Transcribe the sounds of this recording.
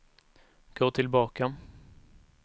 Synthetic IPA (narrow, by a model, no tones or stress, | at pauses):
ɡ̥oːt̪ʰɪlbɑːka